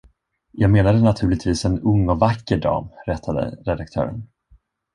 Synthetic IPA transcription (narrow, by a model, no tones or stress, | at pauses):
jɑːɡmeːnad̪ənat̪ʰʉ̟ːlɪɡ̚t̪ʰviːsɛnɵŋːɔvakːəɖɑ̰ːmɾɛt̪ʰːad̪ə̰ɾɛd̪ak̚t̪ʰœ̰ːɾə̰n